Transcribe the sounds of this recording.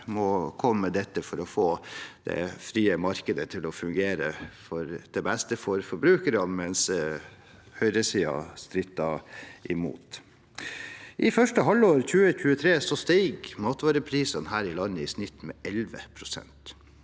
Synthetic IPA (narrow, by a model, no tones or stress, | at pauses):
mɔkʰɔmːəd̪ɛt̪ːəfɔɾɔfoːd̪̥ɛ̰fɾiːəmɑɾkəd̪ət̪ʰɪlɔfʉŋɡeːɾəfɔɾd̪̥ɛbɛst̪əfɔɾfɔɾbɾʉːkəɾɑnmɛns | hœʏɾəsiːɑ̰st̪ɾɪt̪ːɑʔɪmṵːt̪ | ʔɪfœʂʈəɦɑlːoːɾçʉːəçʉːət̪ʰɾeːsɔst̪iːɡmɑːt̪ʋɑːɾəpʰɾiːsənɦæːɾɪlɑnːəɪsnɪt̪mɛʔɛlʋə̰pʰɾʊsɛ̰nt̪